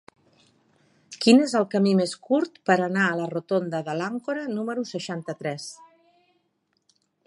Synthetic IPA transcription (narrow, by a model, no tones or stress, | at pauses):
kinezəlˠkəmimeskuɾt̪pəɾənaələrut̪ond̪əðəlaŋkuɾənuməɾusəʃant̪ət̪ɾɛs